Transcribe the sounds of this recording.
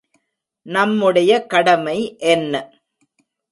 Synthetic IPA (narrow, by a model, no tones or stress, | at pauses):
nɐmːɯɽɐjɐkɐɽɐmɐɪʔɛnːɐ